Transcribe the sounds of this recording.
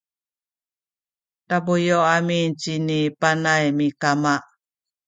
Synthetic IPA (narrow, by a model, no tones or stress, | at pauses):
tabujoamint͡ʃinipanajmikamaʔ